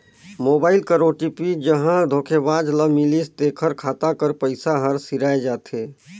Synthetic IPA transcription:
moːbaːɪlkəɾoːʈipid͡ʒəɦãd̪ʱoːkʰebaːd͡ʒləmilist̪eːkʰəɾkʰaːt̪akəɾpəɪsaɦəɾsiɾaːed͡ʒaːt̪ʰeː

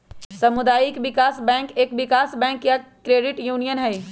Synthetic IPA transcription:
sɐmʊd̪aːjikʋɪkaːsbɛ̃ːŋkeːkʋɪkaːsbɛ̃ːŋkjakɾeːɖɪʈjuːnijənɦɛi

